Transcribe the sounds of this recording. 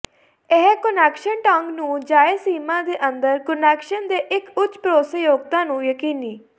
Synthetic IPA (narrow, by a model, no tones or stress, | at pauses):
eɦkənɛːkʃənʈaŋɡnũːd͡ʒaːeːsiːmãːd̪eːʔənd̪əɾkənɛːkʃənd̪eːʔɪkʊt͡ʃpɾoːsejoːɡt̪ãːnũːjəkiːniː